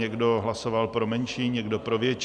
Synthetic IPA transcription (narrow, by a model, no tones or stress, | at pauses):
ɛɡdo̞ɦlaso̞valpɾo̞mɛnʃiːɲɛɡdo̞pɾo̞vjɛt͡ʃ